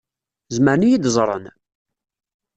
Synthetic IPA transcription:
zməɾnijid̪zˤɾˤə̰n

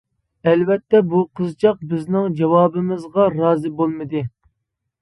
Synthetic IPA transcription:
ɛlvɛt̪ʰːɛbuqʰəzt͡ʃʰɑq̚bɪznɪŋd͡ʒɑwɑːbɪmɨzʁɑɾɑːzɨbolˠmɨd̪ɨ

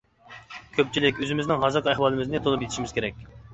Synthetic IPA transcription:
kʲʰøp̚t͡ʃʰilɪkʲøzɪmɪznɪŋɦɑzɨɾqʰæhwɑːlˠɨmɪznɪt̪ʰonup̬jet̪ʰiʃimɪz̥kʲʰeɾɛk̚ʲ

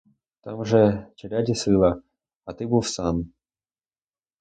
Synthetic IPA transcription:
t̪amʐɛt͡ɕɪɾʲadʲɪsɨlˠə | ɐt̪ɨbɨfsan

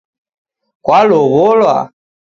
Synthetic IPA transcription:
kʼwalʊβʊlwa̰

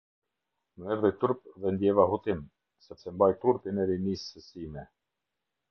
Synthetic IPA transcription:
məɛɾðit̪uɾpðɛnd̪jɛvahut̪im | sɛpsɛmbajt̪uɾpinɛɾinisəsimɛ

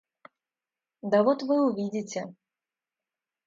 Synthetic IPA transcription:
d̪ɐvɔt̪vɨuvʲid͡zʲit͡sʲɛ

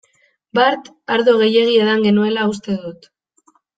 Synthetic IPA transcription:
baɾt̪ | aɾðoɣ̞e̞je̞ɣie̞ðaŋɡe̞nue̞laus̬t̪e̞ðut̪

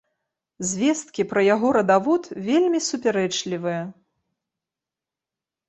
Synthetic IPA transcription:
zʲvʲɛst̪̚kʲipɾɐjaɣɔɾɐd̪avɔt̪vʲelʲmʲisupʲɛɾɛt͡ʂlʲivɨjɐ

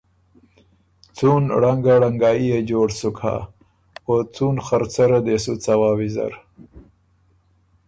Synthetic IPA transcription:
t͡sunɽaŋɡaɽaŋɡɑːjijed͡ʒoːɽsukʰa̰ | ot͡sunxaɾt͡saɾad̪esut͡sawɑːwiza̰ɾ

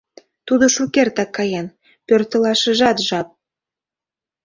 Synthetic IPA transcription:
t̪ud̪oʃukert̪ɑkːɑjɑn | pørt̪ə̆lɑʃə̆ʒɑt̪ʒɑp̚

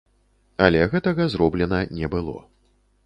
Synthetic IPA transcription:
ɐlʲɛɣɛt̪ɐɣɐzɾɔblʲɛnɐnʲɛbɨlˠɔ̰

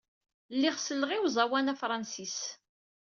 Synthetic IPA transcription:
lːiʁsəlʁiwzˤɑwænæfɾˤɑnsis

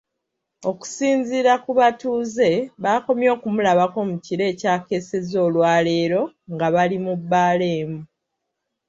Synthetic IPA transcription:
o̞ku̥siːnziːɾakuβatuːze̞βaːko̞mjo̞ːkumulaβako̞muciɾe̞ːcaːke̞se̞zo̞ːlwaːle̞ːɾo̞ŋɡaβalimubːaːle̞ːmu

